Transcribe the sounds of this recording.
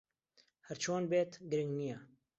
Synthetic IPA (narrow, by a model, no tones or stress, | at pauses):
hɛɾt͡ʃʰoːnbeːt̪ɡɨɾɨŋɡnijɛ